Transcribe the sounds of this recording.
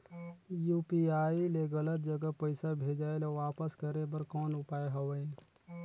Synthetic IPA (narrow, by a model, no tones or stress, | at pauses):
juːpiaːileɡələt̪̚d͡ʒəɡəpəɪsabʱeːd͡ʒaːelɔʋaːpəskəɾebəɾkɔːnʊpaːeɦəwəĩ